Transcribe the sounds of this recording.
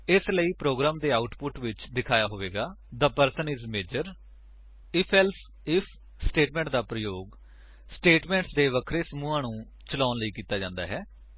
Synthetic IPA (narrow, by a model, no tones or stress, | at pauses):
ɪsləiːpɾoːɡɾaːmd̪eːaːʊʈpʊʈʋɪt͡ʃd̪ɪkʰaːjaːɦoːʋeːɡaːd̪əpəɾsənɪzmeːd͡ʒəɾ | ɪpʰɛls | ɪpʰ | sʈeːʈmɛ̃ːɳʈd̪aːpɾəjoːɡ | sʈeːʈmɛ̃ːɳʈsd̪eːʋəkʰɾeːsəmũːãːnũː | t͡ʃəlaːnləiːkiːt̪aːd͡ʒãːnd̪aːɦɛː